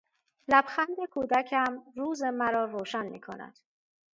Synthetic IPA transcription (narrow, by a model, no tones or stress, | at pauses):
læb̥xænd̪e̞kʰuːd̪æcʰæmruːze̞mæɾɒːɾoːʃænmiːkʰo̰næ̰d̪̥